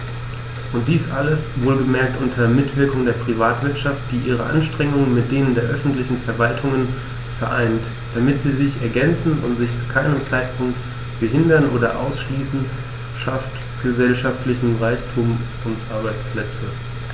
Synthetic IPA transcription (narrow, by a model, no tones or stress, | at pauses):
ʔʊnt̚d̥iːsʔaləsvoːlɡəmɛɐk̚tʔʊntʰɐmɪtv̥ɪɐkʊŋdeːɐpʁ̥ivaːtv̥ɪɐtʃaft̚d̥iːʔiːʁ̞əʔa̰nʃtʁ̥ɛŋʊŋənmɪt̚d̥eːnəndeːɐʔœfn̩tlɪçn̩fɛɐvaltʰʊŋən | fɛɐʔaɪnt | d̥amɪtz̥iːzɪçɛɐɡɛnt͡sn̩ʊ̰ntz̥ɪçt͡su̥ːkʰaɪnəmt͡saɪtpʰʊŋk̚t | b̥əɦɪndɐnʔoːdɐʔa̰ʊsʃliːsn̩ | ʃaft | ɡ̥əzɛlʃaftlɪçm̩ʁaɪçtʰuːm | ʊntʔaɐbaɪt͡spʰl̥ɛt͡sə